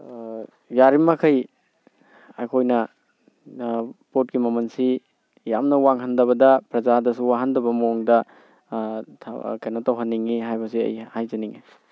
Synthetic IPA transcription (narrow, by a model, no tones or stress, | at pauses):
jaɾimɐkʰɐj | a̰kʰojnɐ | pot̚ɡimɐmɐnsi | jamnɐwaŋhɐndɐβɐdɐpɾɐzadɐsuwaɦɐndɐbɐmoŋdɐ | kɐjnɐtawɦɐnːiŋiɦajbɐsiɐ̰jhajzɐniŋi